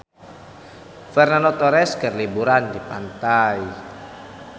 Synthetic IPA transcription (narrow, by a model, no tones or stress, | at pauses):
fɛrnanot̪ɔɾɛskərlibuɾandipa̰nt̪ai